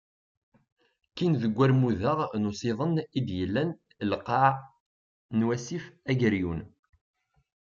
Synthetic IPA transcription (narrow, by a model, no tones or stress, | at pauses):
kːinðəɡʷːæɾmuðaʁnosˤɪðˤənid̪jəlːæn | lqːɑʕ | nwæsifæʝəɾjun